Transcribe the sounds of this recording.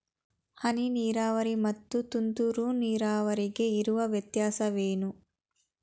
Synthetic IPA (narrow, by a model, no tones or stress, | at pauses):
hɐniniːɾaːʋɐɾimɐt̪ːut̪unt̪uɾuniːɾaːʋɐɾiɡe̞iɾuʋɐʋjɐt̪jaːsɐʋeːnu